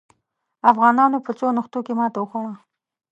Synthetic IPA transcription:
afɣɑnɑnopət͡sonəxt̪okemɑːt̪aʊxawa

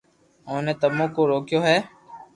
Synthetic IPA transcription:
õːneːt̪əmõːkoːɾoːkjoːɦɛː

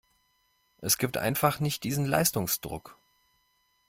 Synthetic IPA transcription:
ʔɛsɡ̥iːp̚tʔa̰ɪnfaχnɪçt̚d̥iːzn̩la̰ɪstʊŋsd̥ʁʊ̰k

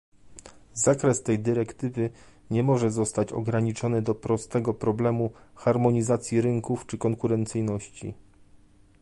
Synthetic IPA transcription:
zakɾɛst̪ɛjd̪ɘɾɛkt̪ɘvɘ | ɲɛmɔʐɛzɔst̪at͡ɕɔ̰ɡɾaɲit͡ʂɔnɘd̪ɔpɾɔst̪ɛɡɔpɾɔblɛmuxaɾmɔɲizat̪sʲjiɾɘŋkuft͡ʂɘkɔŋkuɾɛnt̪sɘjnɔɕt͡ɕḭ

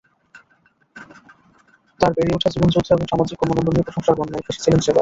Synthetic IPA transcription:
t̪aɾbeɾiuʈʰad͡ʑiɡund͡ʑut̪ʰːoeboŋʃamad͡ʑikːɔmonod̪onipɾoʃoŋʃaɡɔnːaeʃe̥t͡ɕʰilenʃeba

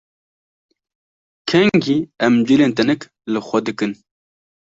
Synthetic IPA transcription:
kʰɛŋɡiːɛmd͡ʒileːnt̪ɛnɛk | lɨxʷɛd̪ɨkɨn

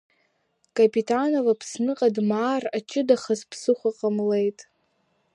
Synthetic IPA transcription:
kʼapʼitʰanovapʰsnɨqʼadmaːrat͡ʃʰʼɪdaχazpʰsɨχʷaqʼamle̞jtʼ

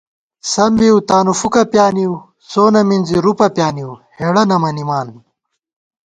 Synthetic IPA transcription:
sɐmbiwt̪aːnufukɐpjaːniw | soːnɐminziɾupɐpjaːniwheːɽɐnɐmɐnimaːn

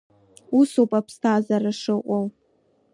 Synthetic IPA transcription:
usopʼapʰstʰazaraʂɨqʷʼow

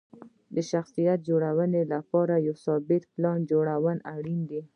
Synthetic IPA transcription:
d̪əʃaxsijat̪̚d͡ʒoɽawənelapɑɾajawsɑbɪt̪plɑnd͡ʒoɽawənaɽind̪i

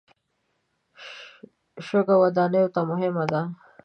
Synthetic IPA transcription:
ʃoɡawad̪ɑnəjot̪amʊɦɪmad̪a

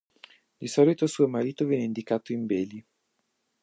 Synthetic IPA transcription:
d̪isɔlit̪osuːomaɾiːt̪ovɛnːeind̪ikaːt̪oimbeːli

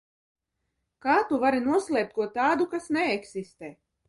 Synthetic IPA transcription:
kaːt̪uvaɾinuɔslʲˠɛːp̚t̪̚kuɔt̪aːd̪ukasnɛːksist̪ɛː

